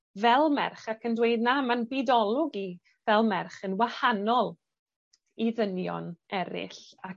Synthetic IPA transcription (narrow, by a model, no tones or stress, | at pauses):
vɛlˠmɛrχakʰəndweɨdnamanbidɔlˠʊɡi | vɛlˠmɛrχənwahanɔlˠ | iðənjɔ̰nɛɾɪ̰ɬa